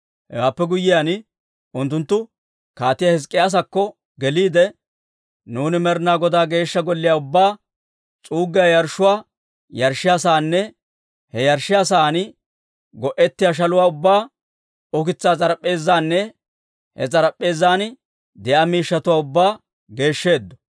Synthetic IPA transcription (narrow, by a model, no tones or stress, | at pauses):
hɛ̰waːpːɛɡʊjːɪjan | ʊnt̪ːʊnt̪ːʊ | kaːt̪ːɪjahɪs̬kʼːɪjaːs̬ɐkːɔ | ɡɛliːd̪ɛ | nuːnɪmɛɾnaːɡɔd̪aːɡe̞ːʃːɐɡɔlːɪjaːʊbːaː | t͡sʼuːɡːɪjaːjɐɾʃːʊwaː | jɐɾʃːɪjasaːnːɛ | hɛjɐɾʃɪjas̬aːn | ɡɔʔɛt̪ːɪjaːʃ̬ɐlʊwaːʊbːaː | ɔkɪt͡sːaːt͡sʼɐɾɐpʼːe̞ːzːaːnːɛ | hɛ̰t͡sʼɐɾɐpʼːe̞ːzaːn | d̪ɛʔaːmiːʃːɐt̪ʊwaːʊbːaː | ɡe̞ːʃːe̞ːd̪ːɔ̥